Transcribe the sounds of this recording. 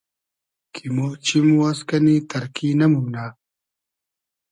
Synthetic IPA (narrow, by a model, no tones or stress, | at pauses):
kʰimot͡ɕimuwaskɐnit̪ɐɾkinɐmunaː